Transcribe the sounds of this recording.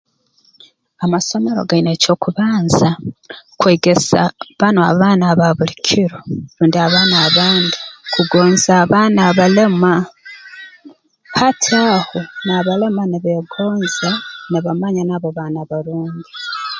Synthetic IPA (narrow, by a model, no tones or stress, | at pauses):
amaso̞me̞ɾo̞̰ɡaineco̞kuβaːnzakwe̞ːɡe̞sa̰βanoa̰βaːnaβaβulicʰiɾoɾuːndiaβaːnaːβaːndikuɡo̞ːnzaːβaːnaβale̞ma | hatʰiahonaβale̞maniβeɡo̞ːnzaniβamaɲanaːβoβaːnaβaɾuːɲɟi